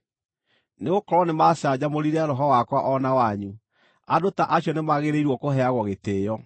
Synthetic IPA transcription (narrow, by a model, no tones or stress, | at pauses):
neɣokɔɾɔnemasad͡ʑamoɾiɾɛaɾɔɦɔwakwaʔɔnawaɲu | adotaʔaɕjɔnemaɣeɾeiɾwɔkoɦɛaɣwɔɣeteːjɔ